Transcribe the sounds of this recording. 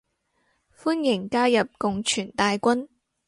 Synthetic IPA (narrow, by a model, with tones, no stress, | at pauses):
fuː˥njɪ˨˩ŋkaː˥jɐ˨p̚kʊ˨ŋt͡ʃʰyː˨˩nt̪aː˨jkʷɐ˥n